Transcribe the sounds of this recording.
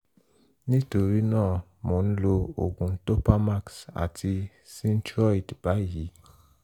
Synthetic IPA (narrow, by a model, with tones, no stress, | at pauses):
nĩ˦to˨ɾi˨˦nãː˦˨ | mɔ̃˨ñ̩˦lo˧o̰˨ɡũ˨˦to˦pa˦ma˦ksa̰˨tʰi˧ | sĩ˦n̩˦tɾɔ˦i˨db̥a˨˦ji˨˦